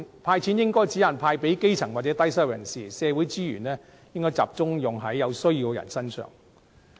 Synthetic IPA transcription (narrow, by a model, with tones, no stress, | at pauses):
pʰaː˧jt͡sʰiː˨˥njɪ˥ŋkɔː˥jt͡siː˨˥jɐ˨˩npʰaː˧jpe˨˥jke˥jt͡sʰɐ˨˩ŋwaː˨t̚t͡sɛ˨˥t̪ɐ˥jsɐ˥˩wjɐ˨˩nsiː˨˩sɛː˨˧wuː˨˥jt͡siː˥jy̰ː˨˩nɛː˥ | jɪ˥ŋkɔː˥jt͡sa̰ː˨p̚t͡sʊ˥ŋjʊ˨˩ŋɦɐ˨˥jːɐ˨˧wsɵ˥ɥjiː˧wjɐ̰˨˩nsɐ˥nsœ̰ː˨˩ŋ